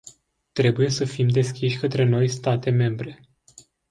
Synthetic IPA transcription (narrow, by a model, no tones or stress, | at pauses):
t̪ɾe̞buje̞səfimd̪e̞skʲiʃʲkət̪ɾe̞no̞jst̪at̪e̞me̞mbɾe̞